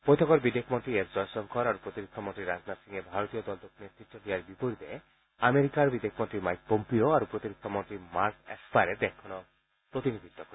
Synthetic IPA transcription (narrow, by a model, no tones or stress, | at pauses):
pojt̪ʰɔkɔɾbid̪ekʰmɔnʈɾiesd͡ʒɔjsɔnkʰɔɾaɾupɾot̪iɾikʰːɔmonʈɾiɾad͡ʒnasiŋebʱaɾot̪iɔd̪ɔld̪oknet̪ɾiʈʰːɔʈiaɾbipoɾit̪e | ameɾikaɾbid̪ekʰmɔnʈɾimajk̚pompioaɾupɾot̪iɾikʰːɔmɔnʈɾimaɾkḛspaɾed̪ekʰːɔnɔ | pɾot̪inid̪ʱit̪ːɔkɔ